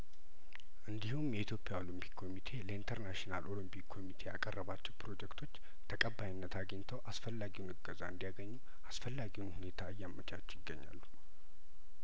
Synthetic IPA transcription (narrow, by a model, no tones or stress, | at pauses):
ʔɨnd̪ihumjɛit̪jo̞pʼjao̞lɨmpʰi̥kkʰo̞mit̪ʰe̞ləint̪ʰəɾnaʃinalʔo̞lɨmpʰikkʰo̞mit̪ʰe̞ja̰kʼərːəβat͡ʃːɛwpɾo̞d͡ʒɛkt̪ʰo̞t͡ʃː | t̪ʰəkʼəbːajinːət̪ʰaɡəɲːt̪ʰəwʔasfəlːaɡiwunɨɡːəzaɨnd̪ijaɡəɲːu | asfəlːaɡiwunhune̞t̪ʰaɨjːamːət͡ʃʼat͡ʃːjɪɡːəɲːa̰lːu̥